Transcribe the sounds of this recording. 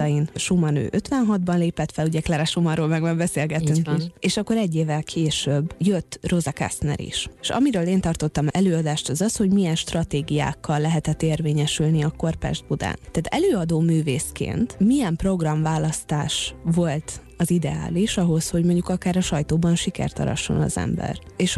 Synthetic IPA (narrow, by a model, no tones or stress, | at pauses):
jinʃumɒnø̰ːʔøt̪ʋɛnɦɒd̪̚bɒnleːpɛt̪fɛluɟɛklaɾaʃumɒɾoːlmɛɡmɛɡbɛseːlɡɛtt̪ːyŋkʃeːʃɒkːo̞ɾɛɟːeːvːɛlkʰeːʃøbːjøt̪ːro̞zɒka̰st̪nɛ̰ɾḭʃʃɒ̰miɾøːleːnt̪ɒrt̪o̞t̪ːɒmɛløːɒd̪aːʃt̪ɒzɒsho̞ɟmijɛnʃt̪rɒt̪eːɡija̰ːkʰːɒlːɛɦɛt̪ɛt̪ːeːrveːɲɛʃylniɒko̞rpɛ̰ʒd̪̚bud̪a̰ːnt̪aːt̪ɛ̰løːɒd̪oːmyːveːskḛːnt̪mijɛmpro̞ɡrɒmvaːlɒst̪aːʃʋo̞lt̪ | ɒzid̪ɛ̰a̰ːliʃɒɦo̞sho̞ɟmo̞ɲɟukɒkaːɾɒʃɒjt̪oːbɒnʃikɛ̰rt̪ɒ̰ɾɒ̰ʃːo̞̰nɒ̰zɛ̰mbɛ̰reːʃ